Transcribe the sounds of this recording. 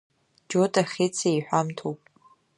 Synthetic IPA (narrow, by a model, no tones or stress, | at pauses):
d͡ʒotʼaχʲet͡sʰaiħʷᶣamtʰowpʼ